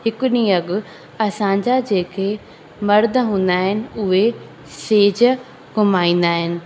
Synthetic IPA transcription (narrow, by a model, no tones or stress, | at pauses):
hɪkʊɗiɐɠʊ̆ | ɐsãːɲd͡ʑad͡ʑeːkʰe | mɐɾd̪ʱəɦũːn̆d̪aːɦɪnɪ̆ʊɦe | seːd͡ʑə | ɡʊmaːĩːn̆d̪aːɦɪnɪ̆